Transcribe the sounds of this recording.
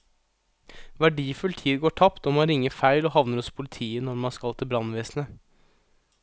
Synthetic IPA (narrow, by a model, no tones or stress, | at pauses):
ʋæɖiːfʉlt̪ʰiːd̪ɡoːʈʰɑpt̪ɔːmɑnɾɪŋːəɾfæɪlɔːhɑʋnəɾɔspʰʊlɪt̪ʰiːənɔɾmɑnskɑlt̪ʰɪbɾɑnʋeːsnə